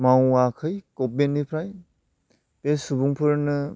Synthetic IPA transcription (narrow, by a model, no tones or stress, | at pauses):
mawakʰɯjkɔp̚benːipʰɾaj | pesubuŋpʰɯɾnɯ